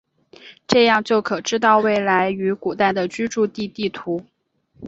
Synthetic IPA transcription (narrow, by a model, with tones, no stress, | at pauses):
ʈ͡ʂɤ˥˧jɑ˥˧ŋt͡ɕjo˥˩ʊkʰɤ˨˩ʈ͡ʂɻ̩˥t̪ɑ˥˧ʊwe˥˩ɪla˧˥ɪy˧˥ku˨˩t̪a˥˩ɪd̪ə˩t͡ɕy˥ʈ͡ʂu˥˧t̪i˥˧t̪i˥˩t̪ʰu˧˥